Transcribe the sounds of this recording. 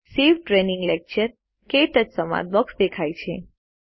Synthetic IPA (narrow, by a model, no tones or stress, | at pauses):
siʋʈɾenɪ̃ŋɡlek̚t͡ʃəɾ | keʈəd͡ʒsəma̰d̪̚bəksd̪ekʰajt͡ʃʰe